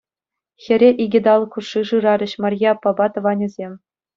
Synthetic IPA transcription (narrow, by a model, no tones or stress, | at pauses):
xʲɘ̆ɾʲeʔiɡʲĭd̪ɑlˠkuʂɯʐɯɾɑɾʲɘ̆ɕmɑrʲjɑpɑbɑt̪ɤ̆ʋɑnʲĭzʲemʲ